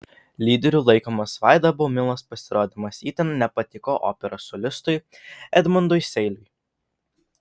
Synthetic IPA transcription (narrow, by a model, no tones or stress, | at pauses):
lʲiːd̪ʲɛɾʲuːlˠɐɪkoːmɐsʋɑˑɪd̪ɐbʊʋomʲɪlˠɐspɐsʲɪɾoːd̪ʲiːmɐsʲiːt̪ʲɛnnʲɛpɐt̪ʲɪkoːʔo̰ːpʲɛɾosɔlʲɪst̪ʊj | ɛd̪ʲmʊnd̪ʊjsʲɛɪlʲʊj